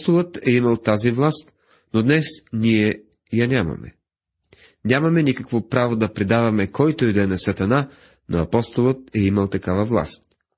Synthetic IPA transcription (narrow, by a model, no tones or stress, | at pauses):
t̪olˠət̪ɛiməlˠt̪azivlˠast̪ | nod̪nɛsnʲiɛ | janʲamɐ̰mɛ̰ | nʲamɐmɛnikəkvopɾavod̪ɐpɾɛd̪avɐmɛkʰɔjt̪oɛd̪ɛnɐsɐt̪ɐna | no̰ɐ̰pɔst̪olˠət̪̚ɛiməlˠt̪ɐkavəvlˠa̰st̪̚